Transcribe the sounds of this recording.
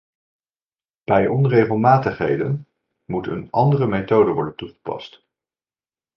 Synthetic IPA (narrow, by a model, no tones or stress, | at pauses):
b̥ɛjʔɔnrejχəlˠmaːtəχɦḛjdən | mutə̰nʔɑndərəmetowdəʋɔɹdəntuχə̥pɑ̰st